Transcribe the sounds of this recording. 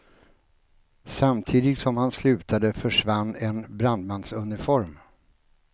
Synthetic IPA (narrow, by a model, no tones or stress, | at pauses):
samt̪ʰiːd̪ɪɡsɔmhanslʉ̟ːt̪ʰad̪əfœʂvanːɛnbɾand̪mansɵnɪfɔɾm